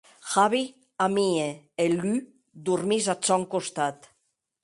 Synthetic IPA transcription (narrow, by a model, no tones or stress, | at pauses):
xaβi | amieely | d̪uɾmizat͡sɔŋkost̪at̪